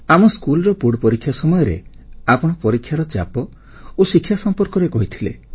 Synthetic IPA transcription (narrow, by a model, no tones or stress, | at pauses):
amɔskulɔɾɔpuɽpɔɾikʰːjasɔmɔjɔɾḛapɔɽ̃ɔpɔɾikʰːjaɾɔt͡ʃa̰pɔ | osikʰːjasɔmpɔɾkɔɾekɔɦit̪ʰilḛ